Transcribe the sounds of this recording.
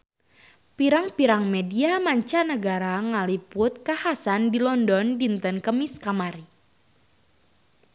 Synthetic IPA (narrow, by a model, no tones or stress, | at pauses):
piɾaŋpiɾaŋmediamaɲt͡ʃanəɡaɾaŋalipʊt̪̚kahasandilɔndɔndint̪ənkəmiskamaɾi